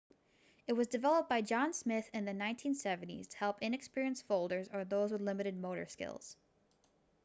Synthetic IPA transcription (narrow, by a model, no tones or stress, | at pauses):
ɨt̚wʌzdɨvɛlˠəp̚b̥aɪd͡ʒɑ̃nsmɪθɨ̃nðɨnãɪ̃ntʰĩnsɛṽn̩tḭz̥tʰə̥hɛlˠpɪ̃nɨkspɪɹiɨ̃nsfoʊlˠdə˞zə˞ðoʊzwəðlɪ̃mɨɾɨd̚moʊɾə̰˞skɪ̰lˠz̥